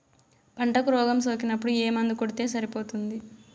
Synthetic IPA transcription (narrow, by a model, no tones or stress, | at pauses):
pɐɳʈɐkuɾɔːɡɐmsoːk̬inɐpːuɽueːmɐnd̪ikoɽit̪e̞ːs̬ɐɾipo̞ːt̪und̪i